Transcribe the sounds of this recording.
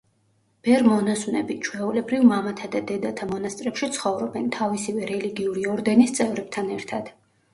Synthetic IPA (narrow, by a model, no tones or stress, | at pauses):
b̥ɛɾmɔnaswnɛbit͡ʃʰwɛulɛbɾivmamat̪ʰad̪ad̪ɛd̪at̪ʰamɔnast̪ʼɾɛpʃit̪sʰχɔvɾɔbɛnt̪ʰavisivɛɾɛliɡiuɾiɔɾd̪ɛnist̪sʼɛvɾɛb̥̚t̪ʰanɛɾt̪ʰad̪̥